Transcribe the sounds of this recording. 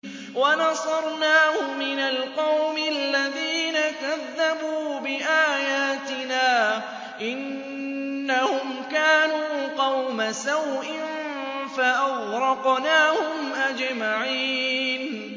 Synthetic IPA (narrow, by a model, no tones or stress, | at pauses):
wɑnɑsˤɑɾˤnaːhʊmɪnalqɑwmɪalːaðiːnakaðːabuːbɪʔaːjaːt̪ɪnaː | ʔɪnː | ahʊmkaːnuːqɑwmasawʔɪn | faʔawɾɑqnaːhʊmʔad͡ʒmaʕiːn